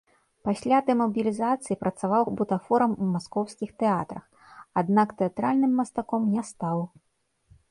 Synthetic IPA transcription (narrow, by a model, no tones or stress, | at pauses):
pasʲlʲad̪ɛmɐbʲilʲizat̪sɨjipɾɐt̪savawbut̪afɔɾɐmumaskɔwskʲixt̪ɛat̪ɾɐx | ad̪nakt̪ɛat̪ɾalʲnɨmːɐst̪akɔmnʲɛst̪aw